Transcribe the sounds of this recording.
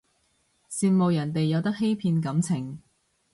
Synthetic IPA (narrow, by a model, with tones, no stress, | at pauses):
siː˧nmo˨wjɐ˨˩nt̪e˨jːɐ˨˧wt̪ɐ˥k̚he˥jpʰiː˧nkɐ˨˥mt͡sʰɪ˨˩ŋ